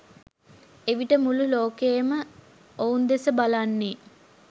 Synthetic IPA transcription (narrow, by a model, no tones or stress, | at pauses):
eʋiʈəmululoːkejəmə | ound̪esəbalanːe